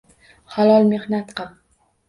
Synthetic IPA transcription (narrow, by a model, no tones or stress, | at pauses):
halˠɒlˠmehnat̪qɑ